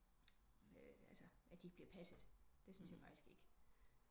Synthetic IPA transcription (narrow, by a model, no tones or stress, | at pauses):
øælsɐæd̥ieɡ̥̚b̥liɐpʰæsəðˠd̥e̝synsjɑ̈fɑ̈ɡ̥isɡ̥e̝ɡ̥